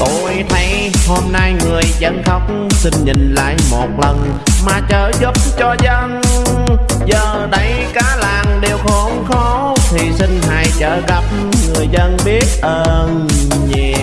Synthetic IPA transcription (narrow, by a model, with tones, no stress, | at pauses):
t̪o˧˨˩jt̪ʰə˨˦j | ho˧mna˧jŋɨ˨˩əjzə˧nxa˧˦wk͡p̚ŋ͡msi˧ŋ̟ɲḭ̈˨˩ŋ̟la̰ː˧˨jmo˨˩t̚lə˨˩n | maː˨˩t͡ɕəː˧˩zu˦˥p̚t͡ɕɔ˧zə˧n | zəː˨˩ɗə˨˦j | kaː˨˦laː˨˩ŋɗe˨˩wxɔ˧˦nxɔ˨˧˦ | t̪ʰi˨˩si˧ŋ̟ɦa̰ː˧˨jt͡ɕəː˧˩ɣa˨˩p̚ | ŋɨ˨˩əjzə˧nɓi˦˥ət̚ʔəː˧n | ɲ˧